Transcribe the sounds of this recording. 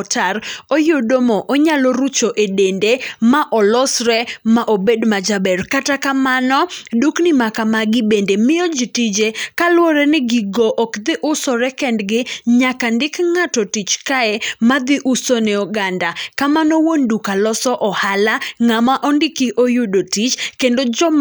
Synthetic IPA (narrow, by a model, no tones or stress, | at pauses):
taɾojodomɔʔoɲalɔɾut͡ʃoʔedendemaʔɔlɔsɾɛmaʔobedmad͡ʒabɛrkatakamanɔduknɪmakamaɡɪbendemɪod͡ʒitid͡ʒekalwɔɾɛnɪɡiɡoʔɔkd̪ɪʔʊsɔɾɛkɛndɡɪɲakandɪkŋatɔtit͡ʃkaɛmad̪ɪʔusɔnɛɔɡandakamanɔwondukalɔsɔʔɔhalaŋamaʔɔndɪkiʔojudotit͡ʃkendod͡ʒɔm